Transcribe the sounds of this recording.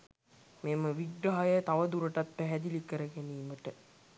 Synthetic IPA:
meməʋiɡɾaɦɐjət̪aʋəd̪uɾəʈat̪ːəɦæd̪ilikəɾəɡeniːməʈə

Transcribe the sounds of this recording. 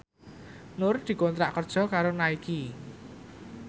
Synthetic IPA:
nʊrd̪̥i̤kont̪ɾaʔkərd̥ʒ̥ɔ̤kaɾonaiki

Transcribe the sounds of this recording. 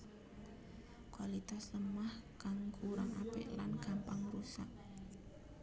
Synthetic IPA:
kwalit̪asəmahkaŋkuɾaŋapɪ̰ʔlankampaŋrusaʔ̚

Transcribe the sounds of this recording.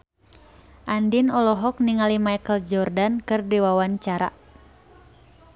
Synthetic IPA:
ʔandinɔlɔɦɔk̚niŋalimajkəld͡ʒɔrdankɨrdiwawaɲt͡ʃaɾa̰

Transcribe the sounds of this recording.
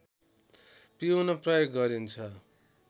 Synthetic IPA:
piunʌprʌjokɡʌɾint͡sʰʌ

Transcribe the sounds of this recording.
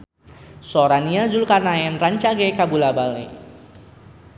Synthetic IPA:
sɔɾaniazulkarnaɛnraɲt͡ʃaɡɛkabulabalḛ

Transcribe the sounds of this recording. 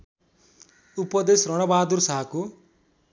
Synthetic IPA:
upʌd̪esrʌɽ̃ʌbad̪ursʌɦako

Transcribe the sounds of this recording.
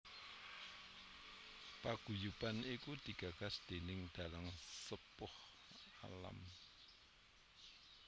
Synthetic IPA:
paɡ̥ṳjupanikud̪̥i̤ɡ̥a̤ɡ̥a̤sd̪̥e̤nɪŋd̪̥a̤laŋsəpʊh | a̰la̰m

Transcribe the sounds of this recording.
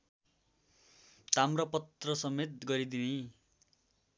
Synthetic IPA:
t̪amrʌpʌt̪rʌsʌmet̪̚ɡʌɾid̪ini

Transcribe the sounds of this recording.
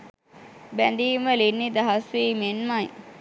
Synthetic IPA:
bænd̪iːməlinːid̪aɦasʋiːmenmaj

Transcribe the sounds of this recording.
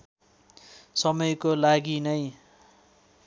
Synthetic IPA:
sʌmʌjkolaɡinʌj

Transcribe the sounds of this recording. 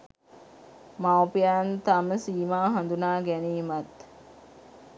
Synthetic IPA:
mawpijant̪aməsiːmaːɦand̪unaːɡæniːmat̪

